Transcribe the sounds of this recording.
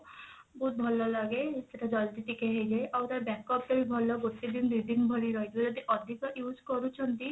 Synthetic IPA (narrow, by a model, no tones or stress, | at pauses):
but̪̚bʱɔlɔlaɡeseʈad͡ʒɔld̪iʈ̪ikeɦejd͡ʒajʔawt̪aɾbɛkɔp̚t̪ɔɾibʱɔlɔɡoʈid̪ind̪id̪inbʱɔɽiɾɔɦit̪ʰed͡ʒɔd̪ʱiʔɔd̪ʱikɔʔjud͡ʒkɔɾut͡ʃʰɔnt̪i